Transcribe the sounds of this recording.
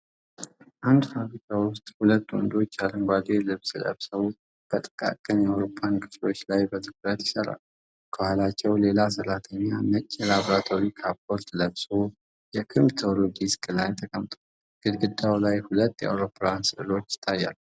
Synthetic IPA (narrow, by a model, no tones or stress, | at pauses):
ʔand̪faβɾikʰawʊst̪ʼhulət̪ːwɔ̰nd̪o̞t͡ʃːjalɨŋɡʷad̪e̞lɨβslə̰βsəw | b̥ət̪ʼə̥kʼa̰kʼənjawɾo̞pʰːankʰʼɨt͡ʃlo̞t͡ʃːlajbət̪ʰɨkɾət̪jɪsəɾa̰l | kʰəhʷalat͡ʃːɛwle̞lasəɾat̪ʰəɲːamət͡ʃʼːlaβɾat̪ʰo̞ɾikʰapʰːoɾt̪ləβso | jɛkʰɨnmt̪ʰəloɡiskʼɨlajt̪ʰəkʼəmt̪ʼʰo | ɡ̥ɨd̪ɡɨd̪awlajhulət̪ːjɛ̰a̰wɾo̞pʰːlansɨʔɨlo̞t͡ʃːɪ̥t̪ʰːajːa̰l